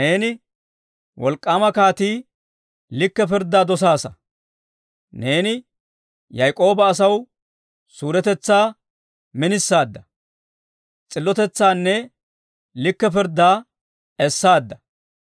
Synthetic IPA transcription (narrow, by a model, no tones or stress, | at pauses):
ne̞ːnɪ | wɔlkʼːaːmɐkaːt̪iː | lɪkːɛpɪɾd̪ːaːd̪ɔs̬aːsɐ | ne̞ːnɪ | jɐjkʼo̞ːbɐːsɐw | suːɾɛt̪ɛt͡sːaː | mɪnɪsːaːd̪ːɐ | t͡sʼɪlːɔt̪ɛt͡sːaːnːɛ | lɪkːɛpɪɾd̪ːaː | ɛsːaːd̪ːɐ